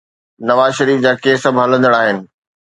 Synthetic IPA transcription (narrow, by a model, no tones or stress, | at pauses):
nɐʋaːzʃɐɾiːfd͡ʑaːkeːsəbʱɦɐlə̃nd̪əɽaːɦɪnɪ̆